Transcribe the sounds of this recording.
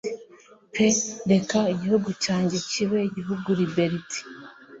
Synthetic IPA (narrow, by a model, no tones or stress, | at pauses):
pede̞kaiɟihuɡucaːɲɟe̞ciβeiɟiɦuɡuɾibeɾiti̥